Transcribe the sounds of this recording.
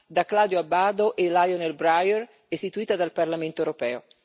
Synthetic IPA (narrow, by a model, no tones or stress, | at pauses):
d̪aklad̪joabaːd̪oʔelajonelbɾajɛr | est̪it̪uiːt̪ad̪alparlament̪oewɾopɛːo